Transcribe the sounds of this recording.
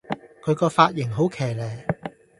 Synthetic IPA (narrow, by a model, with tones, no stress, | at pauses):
kʰɵ˨˧ɥkɔː˧faː˧t̚jɪ˨˩ŋɦo˨˥wkʰɛː˨˩jlɛː˨˩j